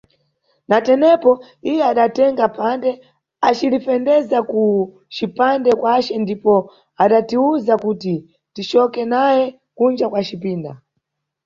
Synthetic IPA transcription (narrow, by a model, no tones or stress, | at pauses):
natɛnɛpɔ | ijɛaɗatɛŋɡapʰandɛ | at͡ʃilifɛndɛzaku | t͡ʃipandɛkwat͡ʃɛndipɔ | aɗatiuzakuti | tit͡ʃɔkɛnajɛ | kund͡ʒakwat͡ʃipiːnda̰